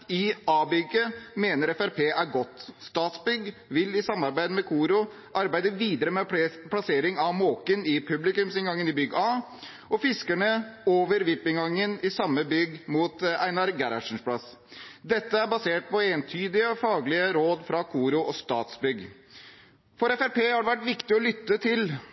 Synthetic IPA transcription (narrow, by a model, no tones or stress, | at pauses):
ɪɑːbʏɡəmeːnəɾɛfæɾpʰeːʔæɾɡɔt̪ːst̪ɑːt̪sbʏɡʋɪlɪsɑmːɑɾbæɪd̪əmɛkʰuːɾʊ | ʔɑɾbæɪd̪əʋiːd̪əɾəmɛpʰlɑseːɾɪŋɑʋmoːkənɪpʰʉblɪkʉmsɪnŋɡɑŋːənɪbʏɡɑː | ɔfɪskæɳəoːʋəɾʋɪpːɪŋɑŋːənɪsɑmːəbʏɡmuːt̪æɪnɑɾɡæɾɑʂɳ̩spʰlɑs | d̪ɛt̪ːəæɾbɑseːʈ̚pɔeːnt̪ʰyːd̪ɪəfɑːɡlɪəɾoːd̪fɾɑkʰuːɾʊʔɔst̪ɑːt̪sbʏɡ | fɔɾɛfæɾpeːhɑɖɛʋæʈːʋɪkt̪ɪɔlʏt̪ːət̪ʰɪl